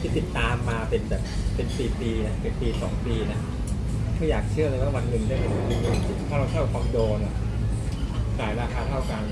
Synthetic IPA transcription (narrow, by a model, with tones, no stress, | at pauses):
i˦˥˩t̪ːi˨˩t̪ːaː˧mːaː˧pe˧nbɛː˨˩p̚pe˧nsiː˨˩p̪iː˧na˥˩pe˧npiː˧sɔ̰ː˩˦ŋp̪iː˧na˦˥ | mʰɯ˥˩˨jaː˨˩k̚t͡ɕʰɯ˥˩ɐlaː˧waː˥˩wa˧nːɯ˨˩ŋdaː˥˩ma˧˩a˨˩t̪iː˧nɯ˧˩i˩t̪ʰɔː˥˩ɾa˧wt̪ʰa˥˩kʰwaː˧mdoː˧na̰˨˩ | kaː˨˩jlaː˧˩kʰaː˥˩t̪ʰa˥˩wka˧n